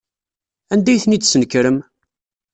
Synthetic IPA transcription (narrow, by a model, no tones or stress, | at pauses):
ænd̪æjθnid̪sənkɾəm